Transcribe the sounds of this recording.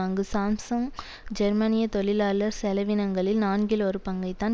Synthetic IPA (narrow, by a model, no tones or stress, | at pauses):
ŋɡɯsaːmsɐŋ | d͡ʒɛɾmɐnɪjɐt̪ɔɭɪlaːlɐɾsɛlɐʋɪnɐŋɡɐɭɪlnaːnɡɪlɔɾɯpɐŋɡɐɪt̪ːaːn